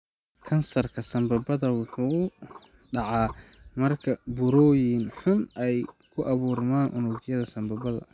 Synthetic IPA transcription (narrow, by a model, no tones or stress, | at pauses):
kʰɐnsɐrkʰɐsɐmbɐbɐðɐwʊħuː | ɖɑʕɑːmɐrkʰɐbʊɾɔːjɪnħʊnʔɛjkʰʊʔɐβuːrmaːnʔʊnʊɡjɐðɐsɐmbɐbɐðɐ̰